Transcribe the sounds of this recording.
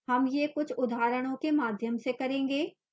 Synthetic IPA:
hɐmjekʊt͡ʃʰʊd̪ʱaːɾəɽ̃õkemaːd̪ʱjəmsekɐɾẽːŋɡeː

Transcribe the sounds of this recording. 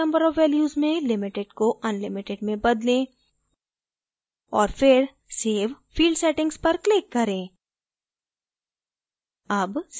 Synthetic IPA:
ɐ̃mbəɾɔːʋːɛːljuːzmẽlɪmɪʈeɖkoʔɐnlɪmɪʈeɖmẽbɐd̪lẽ | ɔːɾfɪɾ | seːʋ | fiːlɖsɛʈɪ̃ŋɡspɐɾklɪkːɐɾẽː | ɐbs

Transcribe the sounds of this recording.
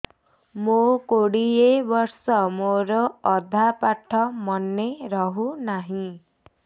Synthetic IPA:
mokoɽiebɔɾsɔmoɾɔːd̪ʱapaʈʰːɔmɔnːeɾɔɦunaɦĩ

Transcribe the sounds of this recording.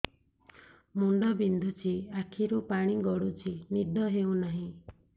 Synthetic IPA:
muɳɖɔbind̪ʱut͡ʃʰiakʰiɾupaɽ̃iɡɔɽut͡ʃʰinid̪ʱɔɦewnaɦĩ

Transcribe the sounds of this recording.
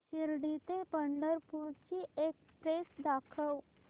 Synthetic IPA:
ɕiɾɽit̪ẽpəɳɖəɾpuɾt͡ɕiʔek | pɾesd̪akʰəw

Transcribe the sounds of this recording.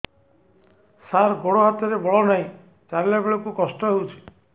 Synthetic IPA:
saɾɡoɽɔɦat̪ɔɾebɔɭɔnaĩ | t͡ʃaɾilabeɭɔkukɔsʈɔɦewt͡ʃʰi̥

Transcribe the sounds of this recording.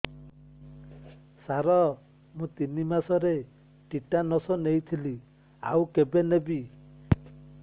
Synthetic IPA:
saɾɔ | mũt̪inimasɔɾe | ʈiʈanɔsɔnejt̪ʰili | a̰wkebenebi

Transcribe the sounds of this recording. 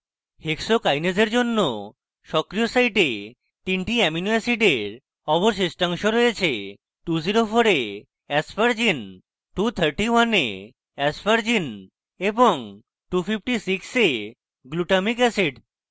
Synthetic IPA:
heksokajned͡ʑeɾd͡ʑonːo | ʃɔkɾiosajʈe | t̪inʈiɛminuɛsiɖeɾ | ɔboɾsisʈaŋʃoɾɔet͡ɕʰe | ʈud͡ʑiɾofʰoɾe | ɛsfaɾd͡ʑin | ʈut̪ʰəɾʈiwanḛ | ɛsfaɾd͡ʑin | eboŋ | ʈupʰipʰʈisikse | ɡluʈamikɛsiɖ

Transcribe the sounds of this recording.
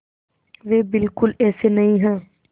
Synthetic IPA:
ʋeːbɪlkʊlɛːsenɐɦĩɦɛ̃ː

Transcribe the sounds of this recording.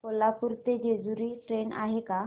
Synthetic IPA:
kolːapuɾt̪ed͡ʑed͡zuɾiːʈɾena̰ɦeka

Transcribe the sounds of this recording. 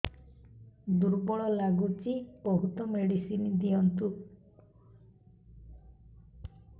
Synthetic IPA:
d̪uɾbɔɭɔlaɡut͡ʃibɔɦut̪ɔmeɽisinid̪ijɔnt̪u

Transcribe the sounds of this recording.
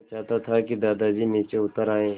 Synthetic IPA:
t͡ʃaːt̪at̪ʰakid̪aːd̪ad͡ʒiniːt͡ʃeʊt̪əɾaːẽː

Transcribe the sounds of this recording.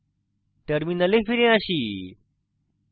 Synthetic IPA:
ʈəɾminəlefiɾẽaɕiː

